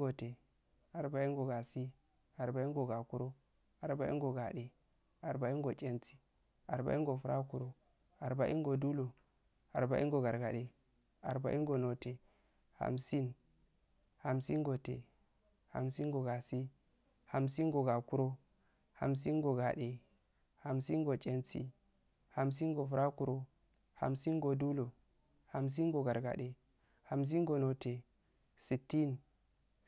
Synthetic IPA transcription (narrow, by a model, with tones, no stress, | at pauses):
ɡo˨te˨ | a˨ɾba˨˦i˦ŋɡo˨ɡa˨si˦ | a˨ɾba˨i˦ŋɡo˨ɡa˨ku˦ɾo˦ | a˨ɾba˦ḭ˦ŋɡo˨ɡa˨ɗe˨ | a˨ɾba˨˦i˦ɡo˨t͡ʃʼe˦nt͡si̥˦ | a˨ɾba̰˨˦i˦ɡo˨fu˦ɾʔa̰˦ku˦ɾo˦ | a˨ɾba˨˦ʔḭ˦ŋɡo˨du˦lo˨ | a˨ɾba˨ʔi˦ŋɡo˨ɡa˨ɾɡa˨de˨ | a˨ɾba̰˨˦ʔi˦ɡo˨no˨te˨ | ha̰˨msi˦n | ha˨msi˦ŋɡo˨tḛ˨ | ha̰˨msi˦ŋɡo˨ɡa˨si˦ | ha˨msi˦ŋɡo˨ɡa˨ku˦ɾo˦ | ha̰˨ms̬i˦nɡo˨ɡa˨ɗe˨ | ha˨msi˦nɡo˨t͡ʃʼe˦nsḭ˦ | ha˨ms̬i˦nɡo˨fu˨ɾʔa˦ku˦ɾo˦ | ha̰˨msi˦nɡo˨du˦lo˨ | ha˨ms̬i˦nɡo˨ɡa˨ɾɡa̰˨ɗe˨ | ha˨ms̬i˦nɡo˨no˨te˨ | si˨tːi˦n